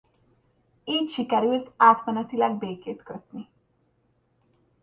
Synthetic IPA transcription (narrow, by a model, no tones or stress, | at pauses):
iːcʃikɛɾylt̪aːt̪mɛnɛt̪ilɛɡ̚beːkeːt̪kø̞t̪ni